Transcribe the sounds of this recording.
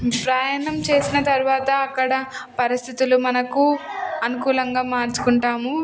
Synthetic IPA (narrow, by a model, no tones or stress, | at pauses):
pɾaːjɐnɐmt͡ʃe̞ːsinɐt̪ɐɾuʋaːt̪ɐːkːɐɽɐpɐɾist̪ʰit̪ulumɐnɐkuɐnukuːlɐŋɡaːmaːɾt͡ʃu̥kuɳʈaːmu